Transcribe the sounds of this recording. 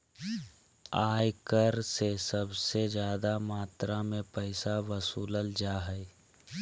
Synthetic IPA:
aːjkəɾsesəbsed͡ʒjaːd̪amaːt̪ɾamẽpəɪsaʋəsuːləld͡ʒaːɦɛɪ

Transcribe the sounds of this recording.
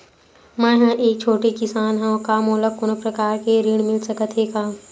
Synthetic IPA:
mɛ̃ːɦɛ̃ʔeːk̚t͡ʃʰoːʈekɪsaːnɦɛ̃õkamoːlək̚kʊnpɾɐkaːɾkeɾiːɽ̃mɪlsəkət̪ʰeːɡaː

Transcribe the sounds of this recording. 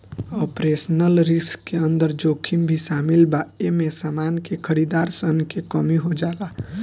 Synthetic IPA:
ɔpɾesnəlɾɪskːeənd̪əɾd͡ʒoːkʰimbʱisaːmɪlbaemẽsaːmaːnkekʰəɾid̪aːɾsənkekəmiɦod͡ʒaːla

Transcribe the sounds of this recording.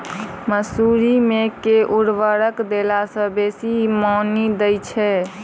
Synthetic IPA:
məsuɾimekeʔuɽʋəɾəkd̪elasə̃besimɔnid̪əjt͡ʃʰɛ

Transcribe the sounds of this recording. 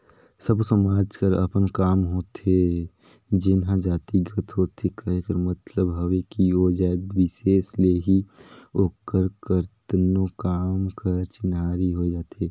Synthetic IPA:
səbsəmaːd͡ʒkəɾə̰pənkaːmɦoːt̪ʰe | d͡ʒɪnɦãd͡ʒaːt̪iɡət̪ɦoːt̪ʰekɐɦekəɾmət̪ləbɦɐʋekiod͡ʒaːt̪ʋɪʃeːsleɦioːkəɾkəɾt̪nokaːmkəɾt͡ʃɪnɦaːɾiɦod͡ʒaːt̪ʰeː

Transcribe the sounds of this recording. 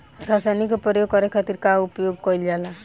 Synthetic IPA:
ɾasajnikopɔjoɡ̚kɔɾekʰat̪iɾkaupjoɡ̚kɔild͡ʒala

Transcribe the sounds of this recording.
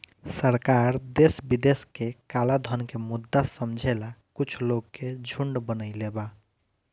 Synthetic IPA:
səɾkaɾd̪esbid̪eskekalad̪ʱənkemud̪ːasəmd͡ʒʱelakut͡ʃʰloɡkːed͡ʒʱuɳɖbənəɪleba

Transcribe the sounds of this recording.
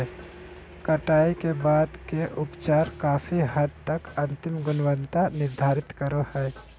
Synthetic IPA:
kɐʈaːikebaːd̪keʔʊpt͡ʃaːɾkaːfʰiɦɐd̪̚t̪ɐkɐ̃nt̪ɪmɡʊnʋə̃nt̪anɪɾd̪ʱaːɾɪt̪kəɾohɛː

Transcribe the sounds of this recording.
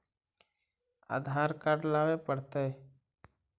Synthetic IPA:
a̰ːd̪ʱaːɾkaɖlaːʋepəɽt̪e

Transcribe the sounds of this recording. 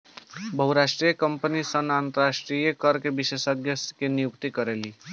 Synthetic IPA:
bəɦuɾaʃʈɾijəkəmpənisənant̪əɾasʈɾijəkəɾkebiʃesəɡʱjəkenijukt̪ikəɾeli

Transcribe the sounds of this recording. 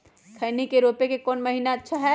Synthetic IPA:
kʰəɪnikeɾopekekɔːnməɦinaətːʃʰaɦɛ

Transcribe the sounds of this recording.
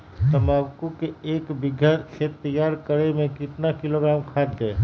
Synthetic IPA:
t̪ɐmaːbkukeeːkbɪɡʱjat̪kʃeːt̪ːəjaːɾkəɾemẽkɪt̪nakɪloɡɾaːmkʰaːd̪ːeː

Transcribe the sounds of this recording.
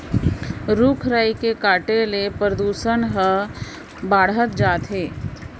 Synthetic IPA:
ɾukʰɾəikekaːʈelepɾəd̪uːsənɦə | baːɽ̤ət̪d͡ʒaːt̪ɦeː

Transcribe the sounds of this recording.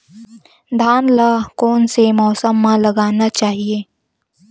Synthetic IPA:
d̪ʱaːnlakoːnsemɔːsəmːãlɐɡaːnat͡ʃaːɦieː

